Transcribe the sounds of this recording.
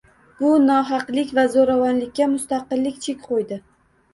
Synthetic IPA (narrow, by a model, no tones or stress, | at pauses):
b̥ʊnɒɦɑqlɪkʲvazoɾavanlɪkʲːamʊst̪aqɨlːɪkʲt͡ʃʰe̞kʲqʰojd̪ɪ